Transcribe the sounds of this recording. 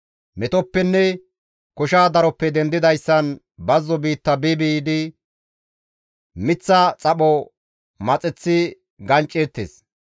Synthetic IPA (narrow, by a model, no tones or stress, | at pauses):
mɛt̪ɔpːɛnːɛ | kɔʃaːd̪ɐɾɔpːɛd̪ɛnd̪ɪd̪ɐjsːɐn | bɐzːɔbiːt̪ːɐbɪbid̪ɪ | mɪt͡sːɐt͡sʼɐɓɔ | mɐt͡sʼɛt͡sːɪ | ɡɐnt͡ʃʼːɛɾt̪ːḛːs